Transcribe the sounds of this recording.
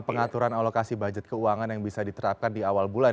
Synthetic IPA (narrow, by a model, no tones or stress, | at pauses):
pəŋat̪uɾanalokasibad͡ʒət̪̚kəuaŋanjaŋbisadit̪əɾap̚kandiawalbula